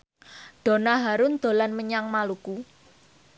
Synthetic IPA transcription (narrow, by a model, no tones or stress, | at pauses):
ɖ̪̥o̤naɦaɾʊnd̪̥o̤lanməɲaŋmaluku